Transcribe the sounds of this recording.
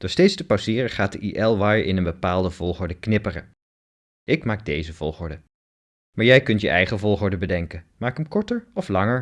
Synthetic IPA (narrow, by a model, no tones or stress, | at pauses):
d̥ʊːɹstejtstəpasɪːrəχaːt̚dəʔiʔɛlˠʋɑjʔɪ̰nənbəpaːlˠdəvɔlˠχʊɹdəknɪpərə̰ | ʔɪkmaːɡ̚dejzəv̥ɔlˠχʊɹdə | maːɹjɛjkɵntjə̰ʔɛjχəvɔlˠχʊɹdəbədɛŋkənmaːkəmkɔɹtəɹɔflɑŋəɹ